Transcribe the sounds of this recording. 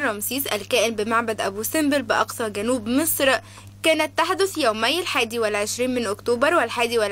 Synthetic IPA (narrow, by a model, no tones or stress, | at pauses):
rˤɾˤɑmsiːsˤʔælkæːʔɪnbɪmaʕbæd̪ʔæbuːsɪmbɪlbɪʔɑqsˤɑɡænuːbmɪsˤɾ | kæːnæt̪ːaħd̪ʊθjæwmæjːlħaːd̪iwɪlʕeʃɾiːnmɪnʔokt̪oːbɑɾˤwælħaːd̪iwæl